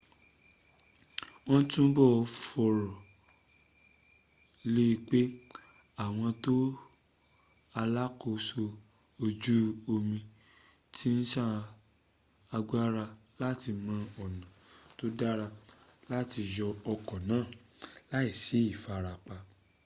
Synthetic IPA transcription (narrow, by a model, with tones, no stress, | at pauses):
ɔ̃˦tũ˦bɔ˦˨˧fɔ˧ɾɔ˨ | le˦i˧k͡pe˦ | a˦˨w̃ɔ̃˧to˦ | a˧la˦ko˧so˧ | o˧d͡ʒu˦o˧mĩ˧ | tʰi˦n̩˦ʃa˦ | a˧ɡ͡ba˦ɾa˧ | la˦ti˧mã˧ɔ˨nã˨to˦da˦ɾa˧la˦ti˧jɔ˧ɔ˧kɔ˨nãː˨˦˨ | la˦i˦˨si˨˦i˦˨fa˨˧ɾa˧k͡pa˧